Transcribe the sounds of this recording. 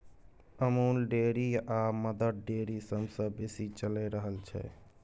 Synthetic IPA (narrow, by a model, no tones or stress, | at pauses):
əmoːlɖeɾiaməd̪əd̪ɖeɾisəbsə̃besit͡ʃəlɛɾəɦəlt͡ʃʰɛ̰